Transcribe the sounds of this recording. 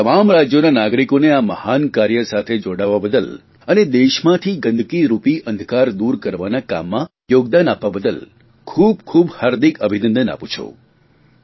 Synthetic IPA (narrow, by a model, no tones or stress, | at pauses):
t̪əmamɾad͡ʒjonanaɡɾikoneaməhankaɾjəsat̪ʰed͡ʒoɽaʋːabəd̪əl | əned̪eʃmãt̪ʰiɡənd̪ʱkiɾupiʔənd̪ʱkaɾd̪uɾkəɾʋanaka̰mːã | joɡ̚d̪ənapʋabəd̪əl | kʰub̚kʰubhaɾd̪ikəbʱinə̃nd̪əna̰pũt͡ʃʰo̰